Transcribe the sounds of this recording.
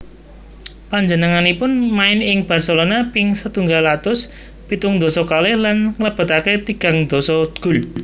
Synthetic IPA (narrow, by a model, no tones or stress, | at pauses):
paɲd͡ʒənəŋanipʊnmaɪnɪŋb̥a̤rsəlonapɪŋsət̪uŋɡalat̪ʊs | pit̪ʊŋd̪ɔsɔkalɛhlanŋələb̥ə̤t̪aket̪iɡ̥a̤ŋd̪̥ɔ̤sɔɡ̥ʊ̤l